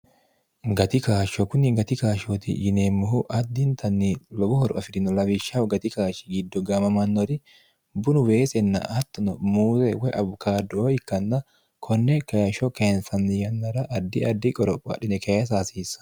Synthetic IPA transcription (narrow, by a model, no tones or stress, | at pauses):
ŋɡɐt̪ɪkaːʃɔkʊnːɪɡɐt̪ɪkaːʃot̪ɪ̰jɪneːmːʊhʊʔɐd̪ːɪnt̪ʰɐnːilɔɡɔhɔɾʊ̰ʔɐ̰fɪɾɪnɔlɐbɪʃːaʊɡɐt̪ɪkaːʃɪ̥ɡɪd̪ːɔɡɐmɐmɐnːɔɾɪ | bʊnʊbeːsɛnːɐ̰ʔɐt̪ːɐnɔmuːtɛwɛʔɐ̰bʊkaːd̪ɔoɪkːɐnːɐ | kʰɔnːɛkɐʃɔkeːnsɐnːɪjɐnːɐɾɐʔːd̪ːɪɐd̪ːɪkʼɔɾɔkʼɐ̰ᶑɪnɛkʰeːs̬asiːsɐ̥